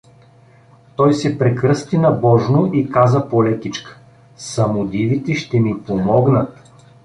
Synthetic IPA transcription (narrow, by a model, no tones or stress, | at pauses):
t̪ɔjsɛpɾɛkɾɤst̪inɐbɔʒnoʔikazəpolɛk̪ʲit͡ʃkə̥ | sɐmʊd̪ivit̪ɛʃt̪ɛmipomɔɡnət̪